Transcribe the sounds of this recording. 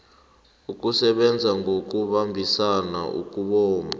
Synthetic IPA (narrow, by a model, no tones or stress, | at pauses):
uk̬ʼusɛɓɛnd͡zʱaŋɡʱok̬ʼuɓambʱisana̰ʔṵkʼuɓɔːma